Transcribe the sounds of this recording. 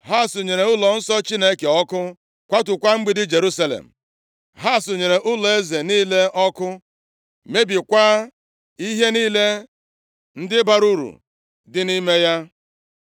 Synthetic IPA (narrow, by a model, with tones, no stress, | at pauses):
ɦa˦˨sʊ˨ɲe˨ɾe˨ʊ˦lɔ˨n̩˦sɔ˦t͡ʃi˦ne˦ke˨ɔ˦kʊ˦ | kʷa˦tʊ˨kʷa˦ŋ͡m̩˦ɡ͡bɪ˦dɪ˦d͡ʒe˨ɾu˦sa˦lḛ˨m̩˨ | ɦa˦˨sʊ˨ɲe˨ɾe˨ʔʊ˦lɔ˨e˦ze˨niː˦le˦ɔ˦kʊ˦ | me˦bi˨kʷa˦ | i˦ɦe˦niː˦le˦ | n̩˦dɪ˦ba˦ɾu˦ɾṵ˨ | dɪ˦ni˦me˦ja˦